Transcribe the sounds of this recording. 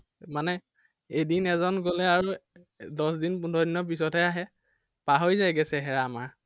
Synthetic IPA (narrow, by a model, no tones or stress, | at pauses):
manɛ | ejdinɛzɔnɡolɛaɹu | dɔsdinpundʱɔdinɔp̬isɔtɦɛaɦɛ | paɦojzajɡɛsɛɦɛɹaːmaɹ